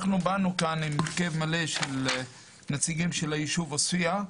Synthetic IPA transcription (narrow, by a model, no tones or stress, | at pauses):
χnubanukanimkevmale̞ʃel | net͡siɡimʃelajiʃuvasua